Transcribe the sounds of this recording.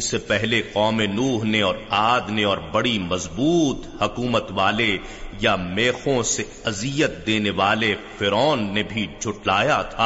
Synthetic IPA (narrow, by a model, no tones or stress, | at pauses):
sepɛɦleqɔːmenuːɦneɔːɾaːd̪neɔːɾbɐɽimɐzbuːt̪hʊkuːmət̪ʋaːle | jameːxõse | ɐzijət̪̚d̪eːneʋaːlefɪɾɔːnːebʱid͡ʒʱʊʈlaːjaːt̪ʰaː